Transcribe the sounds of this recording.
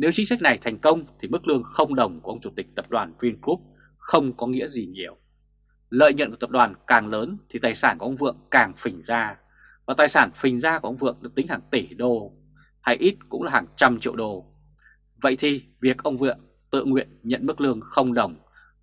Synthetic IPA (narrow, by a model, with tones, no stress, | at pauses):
ne˨˦wt͡ɕï˨˦ŋ̟sa˦˥k̟̚na˨˩jt̪ʰɛ˨˩jŋ̟kə˧wŋ͡mt̪ʰi˨˩mɨ˦˥k̚lɨ˧əŋxə˧wŋ͡mɗə˨˩wŋ͡mku˨˩ə˧wŋ͡mt͡ɕu˧˩t̪ï˨˩k̟̚t̪ə˨˩p̚ɗwaː˨˩nvi˧ənku˦˥p̚ | xə˧wŋ͡mkɔ˨˦ŋḭ˧˥əzi˨˩ɲi˨˩əw | lə̰ː˧˨jɲə̰˧˨nkːt̪ə˨˩p̚ɗwaː˨˩nkaː˨˩ŋləː˨˦nt̪ʰi˨˩t̪aː˨˩jsaː˧˩nku˧˩ʔə˧ŋ͡mvɨ̰˧˨əŋkaː˨˩ŋfï˨˩ŋ̟zaː˧ | vaː˨˩t̪aː˨˩jsaː˧˩nfï˨˩ŋ̟zaː˧ku˧˩ʔə˧wŋ͡mvɨ̰˧˨əŋɗa̰ː˧˥t̪ï˨˦ŋhaː˨˩ŋt̪i˧˩ɗo˧˩ | ha˧jʔi˦˥t̚kʊ̰˧˥ŋ͡mlaː˨˩haː˨˩ŋt͡ɕa˧mt͡ɕḭ˧əwɗo˧˩ | və̰˧˨jt̪ʰi˨˩vi˨˩ək̚ʔə˧wŋ͡mvɨ̰˧˨əŋ | t̪ɨ̰˧˨ŋwḭ˧˨ənɲə̰˧˨nmɨ˦˥k̚lɨ˧əŋxə˧wŋ͡mɗə˨˩wŋ͡m